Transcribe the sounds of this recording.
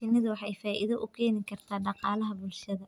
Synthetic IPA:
ɪnɪðɐwɑħɑjfaːʔḭðɐʔʊkʰɛːnɪŋkʰɐrt̪ʰaːɖɑqɑːlɐɦɐbʊlʃɐðɐ

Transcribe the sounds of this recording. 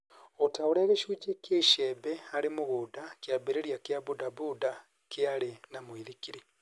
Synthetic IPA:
otaoɾeːɣeʃuːt͡ʃekjeiʃebeaɾimuɣudakjabeɾeɾjakjaβudaβuda | kealenamwiɾikiɾi

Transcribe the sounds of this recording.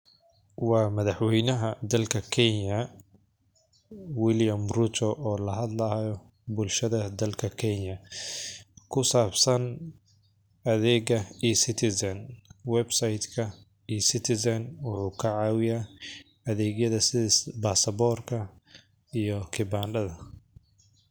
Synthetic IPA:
wɑːmɐðɑħwɛjnɐɦɐd̪ɐlkʰɐkʰɛnɐ | wɪljɐmrut̪ʰɔʔɔːlɐɦɐd̪lɐjɔ | bʊlʃɐðɐd̪ɐlkʰɐkʰɛɲɐ | kʰʊsaːbsɐn | ɐðɛːɡɐiːsɪt̪ʰɪsɐnwɛbsɐjd̪kʰɐ | iːsɪt̪ʰɪsɐnwʊħuːkʰɐʕɑːwɪjaː | ɐðɛːɡjɐðɐsɪsbasɐbɔrkʰɐ | ijɔkʰɪbaːnɖɐðɐ

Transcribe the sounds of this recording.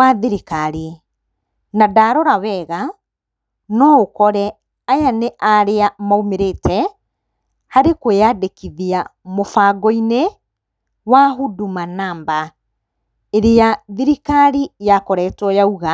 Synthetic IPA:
waðiɾikaɾi | nadaːɾɔɾawɛɣa | nɔokɔɾɛ | ajaneʔaɾeamaomeɾetɛ | haɾekojaːdekiðiamofaːɡɔine | waɦudumanaːmba | eɾejaðiɾikaɾijakɔɾɛtɔjauɣa

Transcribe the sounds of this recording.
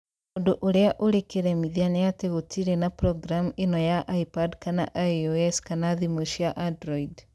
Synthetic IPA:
ondoʔoɾeaʔoɾekeɾɛmiðianejateɣotʰiɾenapɾɔɡɾamuenɔjaʔaipadkana̰ʔaoɛskanaðimoʃjaʔandɾɔid

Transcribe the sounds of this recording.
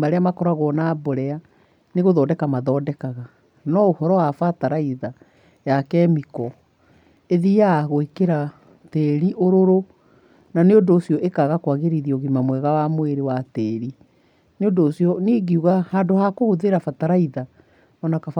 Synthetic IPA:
maɾeamakɔɾaɣɔnaboɾɛa | neɣoðɔːdɛkamaðɔdɛkaɣa | nɔohɔɾɔwafataɾaiða | jakɛmikɔ | eðijaɣoekeɾa | tɛɾiʔoɾoɾo | naneondoːsiɔʔekaɣakwaɣeɾiðiɔɣimamwɛɣawamoeɾewatɛːɾi | neondoːsiɔneɣiuɣahadohakohoðeɾafataɾaiða | ɔnaka

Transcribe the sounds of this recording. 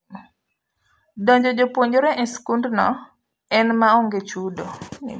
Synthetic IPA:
dɔ̃ɲd͡ʒɔd͡ʒopwoɲd͡ʒoɾɛʔɛskundnɔ | ɛnmaɔŋɡet͡ʃudo

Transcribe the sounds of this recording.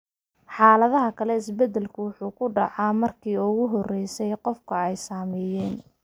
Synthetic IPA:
ħɑːlɐðɐɦɐkʰɐlɛɪsbɛd̪ɛlkʰʊwʊħuːkʰʊɖɑʕɑmɐrkʰiːʊɣʊɦɔrɛjsɛjqɔfkʰɐɛjsaːmɛjɛːn

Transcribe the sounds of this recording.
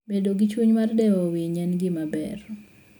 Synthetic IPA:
bedoɡɪt͡ʃwuɲmardɛowiɲɛnɡɪmabɛ̰r

